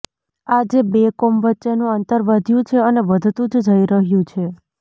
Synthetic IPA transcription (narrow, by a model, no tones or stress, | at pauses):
ad͡ʒebekomʋətːʃenũənt̪əɾʋəd̪ʱjũt͡ʃʰeəneʋəd̪ʱt̪ũd͡ʒd͡ʒʱəiɾəɦjũt͡ʃʰe